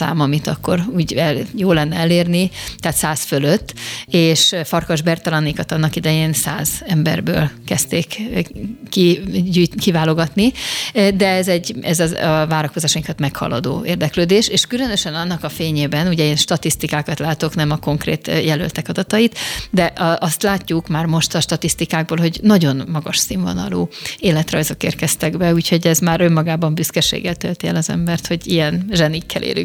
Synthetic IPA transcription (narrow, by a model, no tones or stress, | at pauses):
sa̰ːmɒmit̪ɒkːo̞̰ɾuːɟɛljoːlːɛnːɛɛleːrnit̪ɛːt̪saːsføløt̪ːeːʃfɒrkoʒbɛrt̪ɒlɒnikɒt̪ɒnːɒkid̪ɛjeːnsaːzɛmbɛ̰rbø̰ːlkɛst̪eːkː | iɟuːjt̪kivaːlo̞ɡɒt̪nid̪ɛɛzɛɟːɛ̰zɒɒvaːɾɒko̞zaːʃɒiŋkɒt̪mɛkhɒ̰lːɒ̰d̪o̰ːeːrd̪ɛkløːd̪eːʃeːʃkylø̞nø̞ʃɛnɒnːɒkɒfeːɲeːbɛnuɟɛeːnʃt̪ɒt̪ist̪ikaːkɒt̪laːt̪o̞knɛmɒko̞ŋkrḛːt̪jɛlø̰lt̪ɛkɒd̪ɒt̪ɒit̪d̪ɛʔʔɒst̪laːcːukmaːrmo̞ʃt̪ɒʃt̪ɒt̪ist̪ikaːɡ̚boːlɦo̞ɟnɒɟo̞nmɒɡɒʃsiɱvɒ̰nɒ̰lo̰ːeːlɛt̪rɒ̰jzo̞kḛːrkɛst̪ɛɡbɛuːcho̞ɟɛzmaːɾø̞mːɒɡaːbɒmbyskɛʃḛːɡɛlt̪ø̰lt̪iɛlɒzɛ̰mbɛrt̪ho̞ɟijɛnʒɛnikʰːɛ̰lʔḛːly̰ŋ